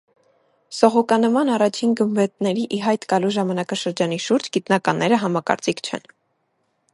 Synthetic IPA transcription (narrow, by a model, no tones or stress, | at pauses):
sɔʁɔkɑnəmɑnɑrɑt͡ʃʰinɡəmvɛt̪nɛɾiʔiɦɑjt̪ɡɑluʒɑmɑnɑkɑʃəɾd͡ʒɑniʃuɾd͡ʒɡit̪nɑkɑnːɛɾəɦɑmɑkɑ̰ɾt͡sikʰt͡ʃʰɛ̰n